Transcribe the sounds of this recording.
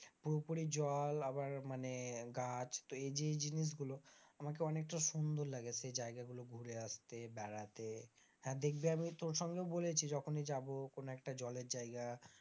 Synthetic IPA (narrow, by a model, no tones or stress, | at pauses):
puɾopuɾid͡ʑɔlabaɾmaneɡat͡ɕt̪oed͡ʑed͡ʑiniʃ̬ɡuloamakeɔnek̚ʈaʃund̪oɾlaɡesed͡ʑaeɡaɡuloɡʱuɾeaʃt̪ebɛɽat̪e | ɦɛ̃d̪ek̚ʰbeamit̪oɾʃɔŋɡeobolet͡ɕʰid͡ʑɔkʰoned͡ʑabokonoɛk̚ʈad͡ʑɔleɾd͡ʑaeɡa